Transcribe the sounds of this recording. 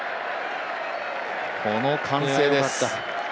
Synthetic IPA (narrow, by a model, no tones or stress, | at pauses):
kʰonokʰãŋseːd̪es